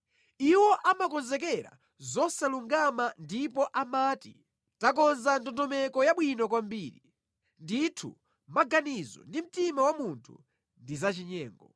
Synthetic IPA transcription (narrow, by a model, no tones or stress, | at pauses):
iwɔʔamakɔnzɛkɛɾa̰ | zɔsaluŋɡamandipɔʔamaːti | takɔnzantɔndɔmɛkɔjaɓwinɔk̬wambiːɾi | nditʰṵ | maɡanizɔ̰ndim̩timawamuntʰṵ | ndizat͡ʃiɲɛːŋɡɔ